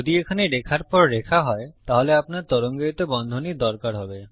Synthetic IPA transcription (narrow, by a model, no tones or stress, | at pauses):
od̪iekʰaneɾekʰaɾpɔɾːekʰaɦɔet̪aɦoleapnaɾt̪ɔɾoŋɡeit̪obɔnd̪ʱoniɾd̪ɔɾkaɾɦɔbe